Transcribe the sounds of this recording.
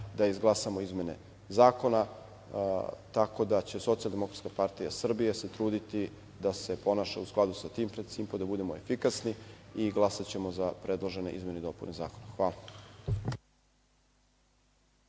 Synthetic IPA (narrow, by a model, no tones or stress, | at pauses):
d̪aizɡlˠasamo̞izme̞nḛ | zaːko̞na | t̪ako̞d̪at͡ɕe̞so̞t̪siald̪e̞mokɾat̪kapaɾt̪ijasr̩bijeset̪ɾuːd̪it̪i | d̪ase̞po̞naʃausklad̪usat̪iːmpɾed̪simpod̪abud̪emoefikasniiɡlˠasat͡ɕe̞mozapɾe̞d̪lˠoʒe̞nḛʔizme̞ned̪o̞puneza̰ːkonaxʋaːla